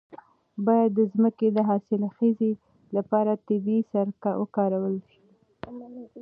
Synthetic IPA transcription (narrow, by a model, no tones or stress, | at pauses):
bɑjad̪ːəzməked̪əɦɑsɪlaxeze | lapɑɾat̪ɪbisaɾwə̰kɑɾawəlʃi̥